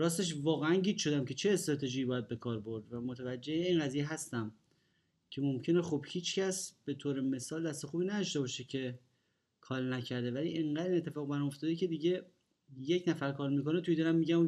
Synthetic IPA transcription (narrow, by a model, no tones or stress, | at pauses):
ɾɒːst̪e̞ʃ̬vɒːɣeænɟiːd̪̥ʃo̞d̪æmcʰe̞t͡ʃʰe̞ːst̪ɾɒːt̪ʰe̞ʒiːbɒːjæd̪̚be̞kʰɒːɾbo̞ɾd̪væmot̪ʰævæd͡ʒːejeinɢæzijeɦæst̪æm | cʰe̞mo̞mcʰe̞nexubhiːt͡ʃcʰæsb̥e̞t̪ʰoːɾeme̞sɒːld̪æst̪e̞xuːbiːnæd̪ɒʃt̪e̞bɒːʃecʰe̞ | kʰɒːlnæcʰæɾd̪e̞væliʔeŋɢæd̪æɾiːnet̪ʰːe̞fɒːɣbæɾmoft̪ɒd̪ecʰe̞d̪iɟe̞ | je̞cnæfæɾkʰɒːɾmiːko̞net̪ʰujid̪æɾæmːiːɟæm